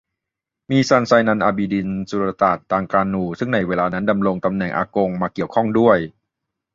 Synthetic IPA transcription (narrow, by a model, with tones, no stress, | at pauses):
miː˧sa˧nsaː˧jna˧nʔaː˧biː˧di˧nsu˧ɾa˧t̪aː˨˩t̪ʰːaː˧ŋkaː˧nːuː˧sɯ˥˩ŋna˧˥jweː˧laː˧na˦˥nda˧mɾo˧ŋt̪a˧mnɛ˨˩ŋʔa̰ː˧ko˧ŋmaː˧ki˨˩əwkʰɔ˥˩ŋdu˥˩əj